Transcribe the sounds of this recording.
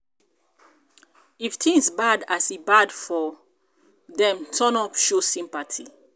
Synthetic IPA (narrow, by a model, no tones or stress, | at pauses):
iftʰĩŋsbadasibadfɔ | ðɛ̃mtʰɔnɔpʃosĩmpatʰi